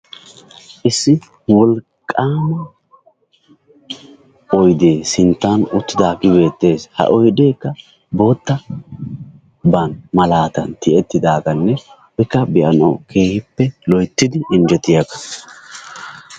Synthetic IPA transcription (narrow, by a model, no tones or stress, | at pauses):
ʔɪsːɪ | wɔl | kʼːaːmɐ | ɔjd̪e̞ːsɪnt̪ːanʊt̪ːɪd̪aːɡɪbe̞ːt̪ːe̞ːshɐ̰ʔɔjd̪e̞ːkːɐ | bo̞ːt̪ːɐ | bɐnmɐlaːt̪ɐnt̪ɪʔɛt̪ːɪd̪aːɡɐnːɛ | bɛkːɐbɪʔɐnɐ̰wkʰe̞ːhɪpːɛlɔjt̪ːɪd̪ɪʔɪnd͡ʒɛt̪ːɪjɐkɐ̥